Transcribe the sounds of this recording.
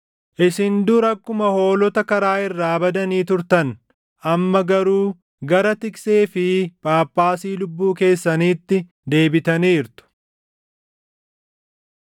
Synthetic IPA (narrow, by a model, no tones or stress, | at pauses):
ʔɪsɪnd̪ʊɾɐkːʊmɐho̞ːlɔt̪ɐkɐɾaːɪrːaːbɐd̪ɐniːt̪ʊɾt̪ɐn | ʔɐmːɐɡɐɾuː | ɡɐɾɐt̪ɪkseːfɪpʼaːpʼːaːsiːlʊbːuːke̞ːsːɐniːt̪ːɪ | d̪e̞ːbɪt̪ɐniːɪɾt̪ʊ̥